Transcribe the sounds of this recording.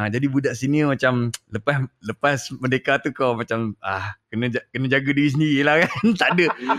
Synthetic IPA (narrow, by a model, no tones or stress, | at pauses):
ad͡ʒadibudaʔsinimat͡ʃamləpasləpasmədekat̪ukawmat͡ʃamahkənə̃d͡ʒakənə̃d͡ʒaɡadiɾis̬əndiɾilahkant̪aʔdə